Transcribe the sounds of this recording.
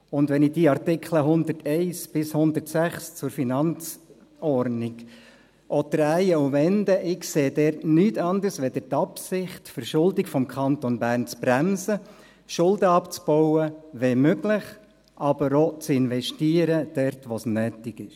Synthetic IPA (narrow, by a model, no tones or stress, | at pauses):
ʊndʋɛnɪd̥iːɑrtɪkʰləɦʊnd̪ərtʰɛɪsb̥ɪshʊnd̪ərtsæχst͡sʊɾfinɑnt͡s | ɔrdnɪk | ʔot̪ɾæjəuʋɛndəʔɪkseːdɛrtnyːtɑnd̪ərsʋɛd̥̪ətɑpsɪχtfəɾʃʊldɪkfɔmkʰɑnt̪ɔnbæːɾnt͡sb̥ɾæmsə | ʃʊldəɑpt͡sb̥ɔwəʋemøɡlɪχ | ʔɑb̥əɾot͡sɪnʋɛʃtiːəɾəd̥ɛɾtʋosnøːtɪɡɪʃ